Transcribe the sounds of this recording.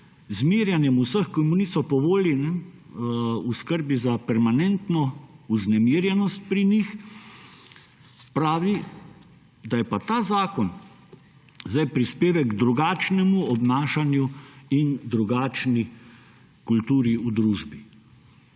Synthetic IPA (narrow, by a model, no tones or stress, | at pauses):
zmiːɾjanjɛmusəxkɔmunisɔpɔʋoːlinɛ | uskəɾbizapɛɾmanɛnt̪nɔuznɛmiːɾjɛnɔst̪̚pɾinix | pɾaːʋi | d̪ajɛpat̪aːzaːkɔn | zajpɾispeːʋɛɡɡd̪ɾuɡaːt͡ʃnɛmuɔbnaːʃanjuind̪ɾuɡaːt͡ʃni | kult̪uːɾiud̪ɾuːʒbi